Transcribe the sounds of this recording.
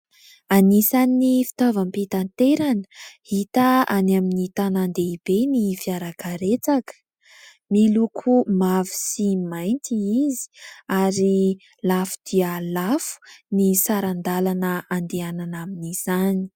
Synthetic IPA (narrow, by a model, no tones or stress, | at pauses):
anisaninifi̥t̪ovampit̪ant̪eɾanə̥hit̪əanaminit̪anand̪eibenifiaɾakaɾet͡sakə̥ | milukʰumavi̥simajnt̪iizi̥aɾi | lafu̥d̪̥ialafu̥nisaɾand̪alanəand̪eananaminiz̥ani̥